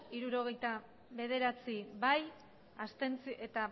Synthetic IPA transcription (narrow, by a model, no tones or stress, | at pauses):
iɾuɾo̞ɣ̞e̞jt̪a | βe̞ð̞e̞ɾat͡siβaj | ast̪e̞nt͡siʔe̞t̪a